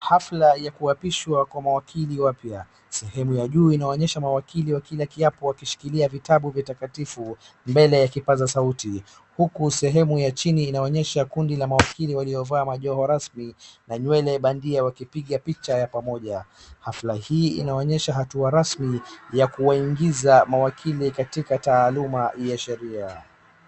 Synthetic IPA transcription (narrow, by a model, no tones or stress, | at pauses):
haflajakuapiʃwakwamawakʰiliwapja | sɛhɛmujaʄuːinaɔɲɛʃamawakiliwakilakiapɔwakiʃi̥kiliavitaɓuvjatakatifu | mbɛlɛjakipazasauti | hukusɛɦɛmujat͡ʃiniːnaɔɲɛʃakundilamawakiliwaliɔvaːmaʄɔɦɔɾasminaɲwɛlɛɓandiawakipiɠapit͡ʃajapamɔʄahaflahiːḭnaɔɲɛʃaɦatuaɾasmijakuwaiŋɡizamawakʰilikatikataːlumajaʃɛɾia